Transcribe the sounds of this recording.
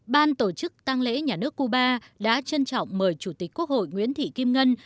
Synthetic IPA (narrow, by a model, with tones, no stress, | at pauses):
ɓaː˧nt̪o˧˩t͡ɕɨ˦˥k̚t̪a˧ŋlḛ˧˥ɲaː˨˩nɨ˦˥əkːu˧ɓaː˧ɗa̰ː˧˥t͡ɕə˧nt͡ɕɔ̰˧˨wŋ͡mməː˨˩jt͡ɕu˧˩t̪i˨˩k̟̚ku˦˥ək̚ho̰˧˨jŋwḭ˧˦ənt̪ʰḭ˧˨ki˧mŋə˧n